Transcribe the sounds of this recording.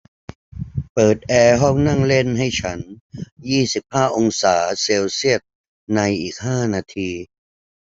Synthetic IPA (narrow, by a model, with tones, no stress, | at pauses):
pɤː˨˩t̪̚ʔɛː˧ɦɔ˥˩ŋna˥˩ŋle˥˩nɦa˥˩jt͡ɕʰa˦˥njiː˥˩si˨˩p̚haː˥˩ʔo˧ŋsaː˩˦seː˧wsi˥˩ət̪̚ | na˧jʔiː˨˩k̚ɦaː˥˩naː˧t̪ʰiː˧